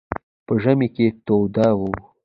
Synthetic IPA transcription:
pəʒamiket̪owd̪ɑwu

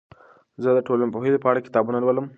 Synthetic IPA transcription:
zəd̪əʈolanpəɦelepəɑɽakɪ̥t̪ɑbunalwələm

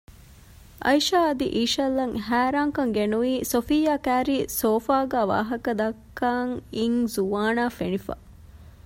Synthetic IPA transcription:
ʔɐ̰jʃaːɐd̪iʔiːʃɐlːɐŋɦæːɾaːŋkɐŋɡenuʋiːsofijaːkæːɾiːsoːfaːɡæːʋa̰ːɦɐkɐd̪ɐkːaːŋiŋzuʋaːnaːfenifɐ̰

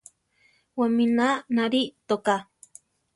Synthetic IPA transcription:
waminanaɾit̪oka

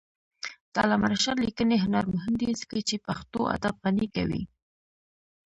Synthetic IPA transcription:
t̪ɑ̰lamaɾaʃaɾlikəneɦʊnaɾmʊɦɪnd̪izə̥kat͡ʃepaxt̪o̰a̰d̪ab̚ɣanika̰wḭ

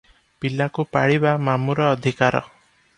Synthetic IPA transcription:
pilakupaɽibamamuɾɔːd̪ʱikaɾɔ̰

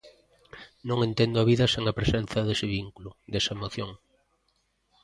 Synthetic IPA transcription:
nõŋẽnt̪end̪ʊɐβ̞iðɐseŋɐpɾesenθɐðesɪβiŋkulʊd̪esɐaemoθjoŋ

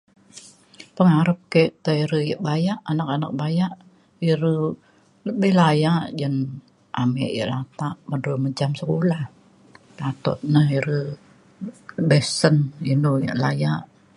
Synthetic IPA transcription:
pəŋaɾəp̚keʔt̪əiɾəjəʔbajaʔanakanak̚bajaʔ | iɾə | ləbɪhlajaʔd͡ʒən | ʔamɛ̰ʔjə̰ʔlat̪aʔmədoməd͡ʒamsəkolah | lat̪ɔ̰t̪̚nəhiɾə | bɛsəninujə̰ʔlajaʔ

